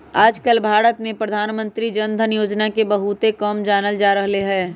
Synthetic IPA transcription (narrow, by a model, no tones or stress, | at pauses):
aːd͡ʒkəlbʱaːɾət̪mẽpɾəd̪ʱaːnmə̃nt̪ɾid͡ʒənd̪ʱənjoːd͡ʒnakebɐɦut̪ekɔːmd͡ʒaːnəld͡ʒaːɾəɦleɦɛː